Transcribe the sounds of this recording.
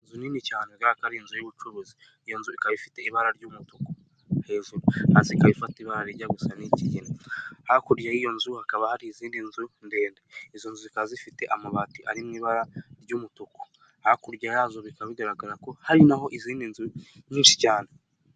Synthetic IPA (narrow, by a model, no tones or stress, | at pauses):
nzuniːnicaːneɡaakaɾinzujuβut͡ʃuɾuzi | ijo̞nzuikaβifi̥te̞iβaɾaɾɟuːmutuko̥ | he̞ːʒuɾuhasikaβifatiβaɾaɾiɟaɡusaniciɟinahakuɾjaijo̞nzuhakaβahaɾiːziːndinzunde̞ːndeizonzuzikazifite̞ʔamaβatiʔa̰ɾimŋiːβaɾaɾɟuːmutuko̥ | hakuɾɟajaːzoβikaβiɡaɾaɡaɾako̞haɾinaɦo̞ʔiziːndinzuɲiːnʃi̥caːne